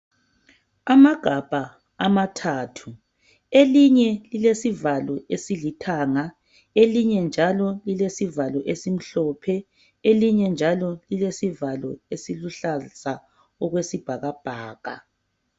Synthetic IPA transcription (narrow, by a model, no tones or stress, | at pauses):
amaɡ̥ʱab̥ʱa | amatʰaːtʰu | eliɲɛlilesivalɔesilitʰaːŋa | eliɲɛnd͡ʒʱalɔlilesivalɔʔesim̩ɬɔːpʰɛ | eliɲɛnd͡ʒʱalɔlilesivalɔesiluɬasa | ɔɣwesib̥ʱaɣab̥ʱaːɣa̰